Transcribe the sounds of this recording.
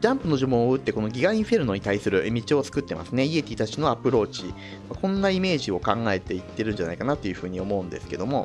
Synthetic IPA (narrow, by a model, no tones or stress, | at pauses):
d͡ʑãmpɯ̟no̞ʑomõɯ̟t̪ːe̞ko̞no̞ɡʲiɡãĩɸeɾɯ̟no̞ɲ̟it̪aisɨɾɯ̟mʲit͡ɕio̞t͡sɨ̥kɯ̟t̪ːe̞mʔa̰sɨneie̞t̪ʲit̪at͡ɕino̞apɯ̟ɾo̞ːt͡ɕi | βakõ̞nːaime̞ːʑio̞kãŋɡae̞t̪e̞it̪ːe̞ɾɯ̟̃ɲ̟d͡ʑana̰ikanat̪ːojɯ̟ɸɯ̟ːɲ̟io̞mo̞ɯ̟nd̪e̞sɨ̥ke̞d̪o̞mo̞